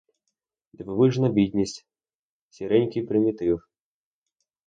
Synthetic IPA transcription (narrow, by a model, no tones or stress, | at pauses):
d̪vɨvɨʐnɐbʲid̪ʲnʲisʲtʲ | sʲiɾɛnʲkʲipɾɪmʲit̪ɪw